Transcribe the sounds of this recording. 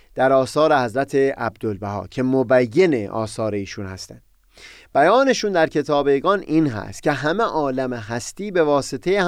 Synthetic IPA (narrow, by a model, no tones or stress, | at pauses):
d̪̥æɾɒːsɒːɾe̞hæzɾæt̪ʰe̞ʔæbd̪olbæɦɒ̰ːcʰe̞mobæjːeneʔɒ̰ːsɒːɾe̞iːʃuːnhæst̪ænd̪̥ | b̥æjɒːne̞ʃuːnd̪æɾcʰe̞t̪ʰɒːbeɡɒːniːnɦæ̰st̪̚cʰe̞ɦæmeʔɒːlæmeɦæst̪iːbe̞vɒːset̪ʰeje